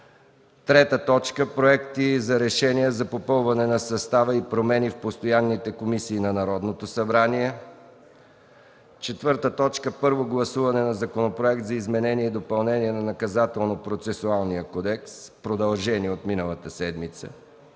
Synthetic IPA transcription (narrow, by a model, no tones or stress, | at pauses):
t̪ɾɛt̪ət̪ɔt͡ʃkəpɾoɛkt̪izɐɾɛʃɛnijəzɐpopɤlˠvɐnɛnɐsɐst̪avəipɾomɛnifpost̪ojanːit̪ɛkomisiːnɐnɐɾɔd̪not̪osɐbɾaniɛ | t͡ʃɛt̪vɤɾt̪ət̪ɔt͡ʃkəpɤɾvoɡlˠɐsuvɐnɛnɐzɐkonopɾoɛk̚t̪zɐizmɛnɛniɛid̪opɐlˠnɛniɛnɐnɐkɐzat̪ɛlˠnopɾot̪sɛsualˠnijəkɔd̪ɛkspɾod̪ɐlˠʒɛniot̪minəlˠɐt̪əsɛd̪mit̪sə̰